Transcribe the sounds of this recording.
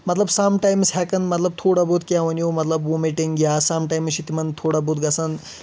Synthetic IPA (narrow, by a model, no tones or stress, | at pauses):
mɐt̪lɐbsaːmʈaːjmshɛkɐnmɐt̪lɐb̚t̪ʰoːɽabot̪kʲaːʋɐnjoːmɐt̪lɐbwomiʈiŋɡjaːsaːmʈaːjmsit̪imɐnt̪ʰoːɽabot̪ɡɐsɐn